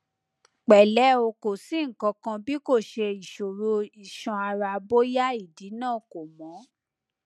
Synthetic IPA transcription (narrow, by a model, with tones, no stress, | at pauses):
k͡pɛ˨lɛ˨˦o˧ko˨si˨˦ŋ̩˨kɔ̃˧kã˧bi˦ko˦˨ʃe˧i˨ʃo˨ɾo˧i˨ʃɔ̃˧a˧ɾa˧bo˦ja˦i˦˨di˨˦nãː˦˨ko˨mɔ̃˨˦